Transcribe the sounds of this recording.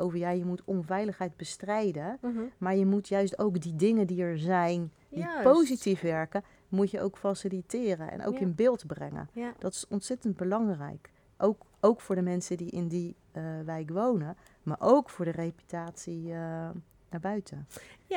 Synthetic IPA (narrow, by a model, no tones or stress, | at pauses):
ʔowvəɹjaːjəmutɔnvɛjləχɦɛjd̚bəstrɛjdəmaːɹjəmutjœɥstowkdidɪŋəndiɛɹzɛjn | dippowzitifʋɛɹkə | mutjəʔo̰wkfasilitɪːrənɛ̰nʔo̰wkɪnbɪːlˠtbrɛ̰ŋə̰d̥ɑtɪ̥sɔntsɛtənd̚bəlɑŋrɛ̰jk | ʔowk | owkfʊːɹdəmɛnsədiʔɪndi | ʋɛjkʋownəma̰ːɹʔowkfʊːɹdərejpy̥taːtsi | naːɹbœɥtʰə